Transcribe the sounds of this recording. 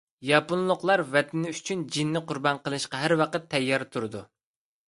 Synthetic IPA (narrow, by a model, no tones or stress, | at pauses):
jɑpunlˠʊqlˠɑɾvɛt̪ʰɪnɪyt͡ʃʰynd͡ʒinːɪqʊɾbɑnqəlˠɨʃqɑɦæɾwɑqət̪ʰːɛjːɑɾt̪ʰuɾɨd̪u